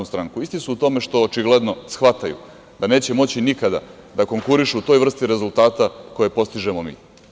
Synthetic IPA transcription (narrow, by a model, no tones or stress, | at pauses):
ost̪ɾaŋkuist̪isuːt̪o̞me̞ʃt̪o̞ːt͡ʃiɡle̞d̪no̞sxʋat̪ajṵ | d̪ane̞ːt͡ɕe̞mo̞t͡ɕinikad̪a̰ | d̪ako̞ŋkuɾiʃuut̪o̞jʋr̩st̪iɾe̞zulˠt̪aːt̪ako̞je̞po̞st̪iʒemomḭː